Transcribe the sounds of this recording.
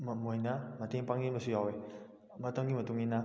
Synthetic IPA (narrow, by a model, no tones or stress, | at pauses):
mamojnamateŋpaŋimɐsujawe | mɐtaŋimɐtuŋina